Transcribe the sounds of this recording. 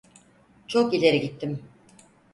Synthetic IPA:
t͡ʃʰokilʲe̞ɾiɟit̪ʰːim

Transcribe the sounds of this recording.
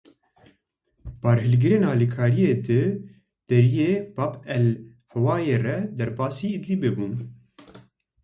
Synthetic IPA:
bɑːɾɦɨlɡɨɾeːnɑːliːkʰaːɾijeːd̪ɨ | d̪̥ɛɾijeːbapɛl | hɛwɑːjeːrɛd̪ɛɾbɑːsiːid̪liːbebuːn

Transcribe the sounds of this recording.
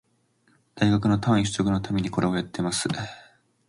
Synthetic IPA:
d̪̥aiɡakɯ̟no̞t̪ãɰ̃içɨ̥sokɯno̞t̪ʰamʲe̞ɲ̟iko̞ɾe̞ojat̪ːe̞masɨ

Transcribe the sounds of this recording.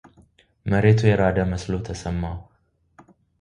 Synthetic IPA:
məɾet̪ʰujɛɾad̪əməslo̞t̪ʰəsəmːa

